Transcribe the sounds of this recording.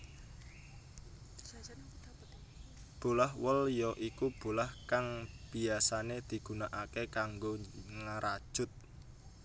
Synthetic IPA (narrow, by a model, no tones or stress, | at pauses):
b̥olahwəljɔʔikub̥o̤lahkaŋb̥i̤asaned̪̥i̤ɡ̥ṳnaʔakekaŋɡoŋəɾʔad̥ʒ̥ʊt̪̚